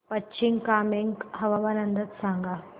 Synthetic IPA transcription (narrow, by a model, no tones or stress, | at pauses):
pətːɕiŋkaːmeŋɡɦɐʋaʋanənd̪ʱət̪sãŋɡa